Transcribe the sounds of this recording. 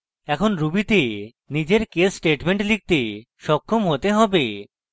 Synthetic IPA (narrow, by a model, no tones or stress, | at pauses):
ɛkʰonɾubit̪e | nid͡ʑeɾkesːʈeʈmeɳʈlik̚t̪e | ʃɔkʰːomɦot̪eɦɔbe